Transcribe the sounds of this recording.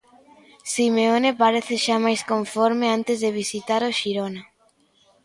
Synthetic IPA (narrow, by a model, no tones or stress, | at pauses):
simeonepaɾeθeʃamajskoɱfoɾmeant̪ezðeβ̞isit̪aɾoʃiɾona